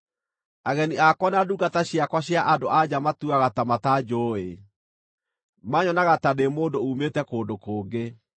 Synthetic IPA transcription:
aɣɛniakwɔnaduɡataɕiakwaɕiaʔadoʔad͡ʑamatuaɣatamatad͡ʑoe | maɲɔnaɣatademoːndoumetɛkoːndokoːɡe

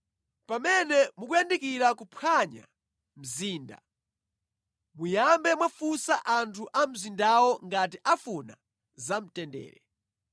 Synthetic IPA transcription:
pamɛnɛmukujandikiɾakupʰaɲa̰ | m̩ziːnda̰ | mujambɛmwafusaʔantʰuʔam̩zindawɔŋɡatiʔafuna | zam̩tɛndɛ̰ːɾɛ

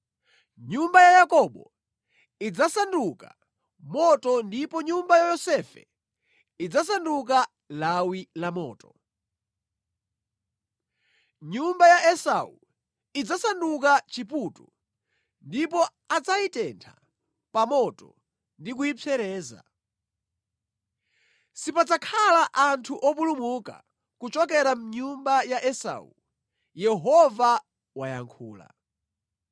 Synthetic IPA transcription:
ɲumbajajakɔɓɔ | id͡zasanduka̰ | mɔtɔndipɔɲumbajajɔsɛfɛ̰ | id͡zasanduk̬a | lawilamɔ̰ːtɔ | ɲumbajaʔɛsau | id͡zasandukat͡ʃiputu | ndipɔ | ad͡zaitɛntʰa | pamɔtɔ | ndikuipʰɛɾɛːza̰ | sipad͡zakʰalaʔantʰuʔɔp̬ulumuka̰ | kut͡ʃɔkɛɾam̩ɲumbajaʔɛsa̰ṵ | jɛɦɔva | waja̰ŋkʰuːla̰

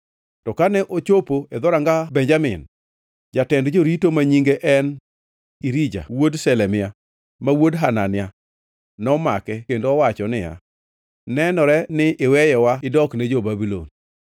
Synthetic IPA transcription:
tɔkanɛʔot͡ʃopoed̪ɔɾaŋɡabɛɲd͡ʒamɪn | d͡ʒatɛndd͡ʒoɾitomaɲiŋɡeʔɛn | iɾid͡ʒa̰wodsɛlɛmɪa | mawodɦananɪja | nɔmakɛkendoːwat͡ʃɔnɪja̰ | nɛnɔɾɛnɪʔɪwɛjɛwaɪdɔknɛd͡ʒobabilo̰n

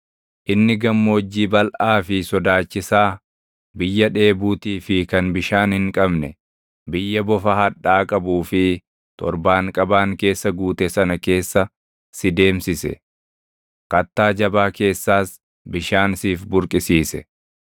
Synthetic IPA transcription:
ʔɪnːɪɡɐmːo̞ːd͡ʒːiːbɐlʔaːfɪsɔd̪aːt͡ʃːɪsaː | bɪjːɐᶑe̞ːbuːt̪iːfɪkɐnbɪʃaːnhɪŋkʼɐbnɛ | bɪjːɐbɔfɐhɐᶑaːkʼɐbuːfɪ | t̪ɔ̰ɾbaːŋkʼɐbaːŋke̞ːsːɐɡuːt̪ɛsɐnɐke̞ːsːɐ | sɪd̪e̞ːmsɪsɛ̰ | kɐt̪ːaːd͡ʒɐbaːke̞ːsːaːs | bɪʃaːnsiːfbʊɾkʼɪsiːsɛ

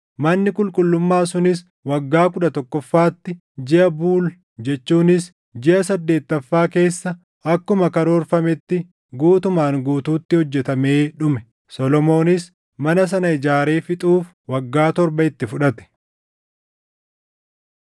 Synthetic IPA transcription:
mɐnːɪkʼʊlkʼʊlːʊmːaːsʊnɪs | wɐɡːaːkʊᶑɐt̪ɔkːɔfːaːt̪ːɪ | d͡ʒɪʔɐbuːl | d͡ʒɛt͡ʃːuːnɪs | d͡ʒɪʔɐsɐd̪ːe̞ːt̪ːɐfːaːke̞ːsːɐ | ɐkːʊmɐkɐɾoːɾfɐmɛt̪ːɪ | ɡuːt̪ʊmaːŋɡuːt̪uːt̪ːɪhɔd͡ʒːɛt̪ɐme̞ːᶑʊmɛ | sɔlɔmo̞ːnɪs | mɐnɐs̬ɐnɐɪd͡ʒaːɾe̞ːfɪt̪ʼuːf | wɐɡːaːt̪ɔɾbɐɪt̪ːɪfʊᶑɐt̪ɛ̥

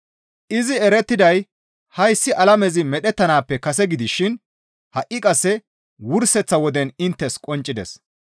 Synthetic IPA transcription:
ʔɪzɪɛɾɛt̪ːɪd̪ɐj | hɐjsːɪʔɐlɐmɛzɪmɛɗɛt̪ːɐnaːpːɛkɐsɛɡɪd̪ɪʃɪn | hɐʔːɪkʼɐsːɛ | wʊɾsɛt͡sːɐwɔd̪ɛnɪnt̪ːɛskʼɔnt͡ʃʼːɪd̪ɛ̰s

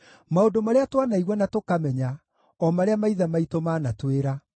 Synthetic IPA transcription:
maodomaɾeatwanaiɣwɛnatokamɛɲa | ɔmaɾeamaiðamaitomaːnatweɾa

